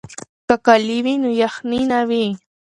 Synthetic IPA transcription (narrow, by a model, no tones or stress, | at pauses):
kakaliβinʊjɑχninaβi